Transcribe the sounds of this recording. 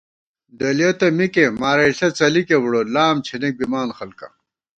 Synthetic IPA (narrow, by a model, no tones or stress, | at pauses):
d̪ɐljot̪ɐmikemaːɾɐɬɐt͡sɐlikewɽolaːmt͡ɕʰinek̚bimaːnxɐlkɐ̰